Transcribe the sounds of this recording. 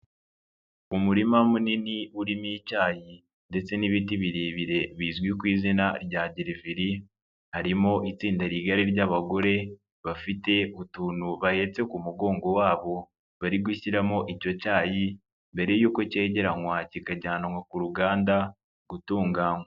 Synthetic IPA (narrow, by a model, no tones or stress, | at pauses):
umuɾimamuniniuɾimiicaːji | nde̞t͡se̞niβitiβiɾiβiɾe̞βiːzɡwikwiːzinaɾɟaːɟiɾiviɾi | haɾimo̞ʔit͡siːndaɾiɡaɾiɾɟaβaɡo̞ɾe̞ | βafite̞utuːnuβahe̞ːt͡se̞kumuɡo̞ːŋɡo̞waːβo̞ | βaɾiɡwiçiɾamo̞ʔico̞caːji | mbe̞ɾe̞juːko̞ce̞ːɟe̞ɾaŋwacikaɟaːnaŋwakuɾuɡaːnda | ɡutuːŋɡaŋwa